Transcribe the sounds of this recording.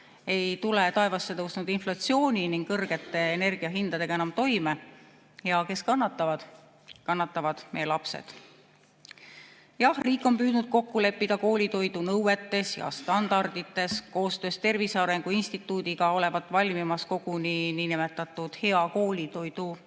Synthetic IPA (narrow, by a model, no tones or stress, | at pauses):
e̞jt̪ulet̪ɑe̞vɑsːe̞t̪ɤwsnud̪̥inflɑt̪sio̞ːnʲiniŋɡ̥kɤrɡ̥e̞t̪ːˑe̞ːne̞rɡ̥iɑɦind̪ɑd̪̥e̞ɡ̥ɑe̞nɑmt̪o̞jme | jɑke̞skɑnːɑt̪ːˑɑvɑd̪ | kɑnːɑt̪ːˑɑvɑd̪̥mejelɑpse̞̰d̪̥ | jɑhriːkˑːo̞mpyːd̪̥nud̪̥̚ko̞kːule̞pːid̪̥ɑko̞ːlʲit̪o̞jd̪unɤwwe̞t̪ːˑe̞sjɑ̰st̪ɑnd̪̥ɑrd̪̥it̪ːˑe̞sko̞ːst̪ø̞ːst̪e̞rvisɑɾe̞ŋɡ̥uinsʲt̪it̪ːˑuːd̪̥iɡ̥ɑo̞le̞vɑt̪ːˑvɑlʲmimɑsko̞ɡ̥unininimet̪ːˑɑt̪ːˑud̪̥he̞ɑko̞ːlʲit̪o̞jd̪̥u